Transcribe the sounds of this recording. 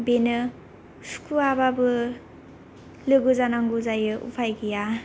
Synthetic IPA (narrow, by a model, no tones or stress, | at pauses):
benɯ | su̥kuababɯ | lɯɡɯzanaŋɡuzajɯʔṵpʰajɡija